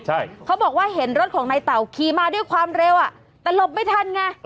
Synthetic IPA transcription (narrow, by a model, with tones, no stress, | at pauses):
t͡ɕʰa˥˩jkʰa˦˥wbɔː˨˩k̚waː˥˩ɦe˩˦nɾo˦˥t̪̚kʰɔː˩˦ŋnaː˧jt̪a˨˩wkʰiː˧maː˧˩du˥˩əjkʰwaː˧mɾe˧wʔa˨˩ | t̪ɛː˨˩lo˧˩p̚ma˥˩jt̪ʰa˧˥˨nŋa˧˩